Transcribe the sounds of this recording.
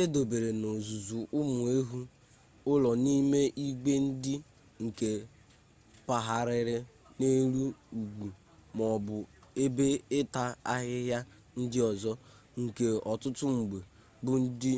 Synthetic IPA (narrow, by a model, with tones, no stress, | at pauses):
e˦do˨be˨ɾe˨no˨zu˨zu˨ʔʊ˦mʊ˨e˦ɦu˦ | ʊ˦lɔ˨ni˦me˦ʔi˦ɡ͡be˦n̩˦dɪ˦ | ŋ̩˨ke˨ | pa˨ɦa˨ɾɪ˨ɾɪ˦ | ne˦ɾu˦u˨ɡʷu˨ | mɔ˨bʊ˨e˦be˦ɪ˦ta˦a˦ɦɪ˦ɦja˦ | n̩˦dɪ˦ɔ˨zɔ˦ | ŋ̩˨ke˨ɔ˨tʊ˦tʊ˦ŋ͡m̩˨ɡ͡be˨ | bʊ˦n̩˦dɪ˦